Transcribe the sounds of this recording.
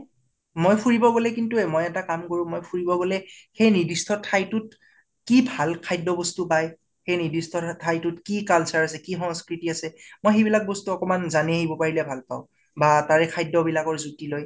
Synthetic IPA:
mojpʰuɹibɔɡolɛkintuɛmojɛtakamkoɹʊ̃mojpʰuɹibɔɡolɛxejnidistʰɔtʰajtʊt̚ | kibʱalkʰajdɔbɔstupaj | xejnidistʰɔtʰajtʊtkikalsaɹasɛkixɔ̃ŋskɹitiasɛmojxejbilak̚bɔstuɔkɔmanzanɛaɦibɔpaɹilɛbʱalpa̰ʊ̃ | bataɹɛkʰajdɔbilakɔɹzutiloj

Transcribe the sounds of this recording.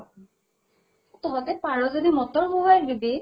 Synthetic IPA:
t̪ɔɦɔtɛpaɹɔzodimɔt̪ɔɹbuwajdibe

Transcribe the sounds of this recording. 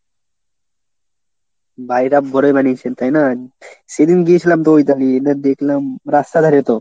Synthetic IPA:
bajɾab̚bʱɔɾojbanit͡ɕʰent̪ajnased̪inɡiet͡ɕʰilamt̪oojt̪alienad̪ekʰlamɾast̪ad̪ʱaɾit̪o

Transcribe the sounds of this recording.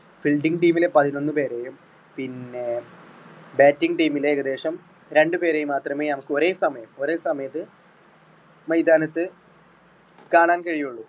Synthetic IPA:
filɖiŋɡʈiːmilepɐðino̞nːɨpe̞ːɾejum | pinːe̞ | baːtːiŋʈiːmileːɣɐd̪e̞ːʂɐm | ɾe̞ɳɖɨpe̞ːɾejumːaːt̪rɐmeːnɐmukːɨo̞ɾe̞ːsɐmɐjɐmo̞ɾe̞ːsɐmɐjɐt̪ːɨ | mɐjd̪aːnɐt̪ːɨ | kaːɳaːnkɐɻijuɭːu

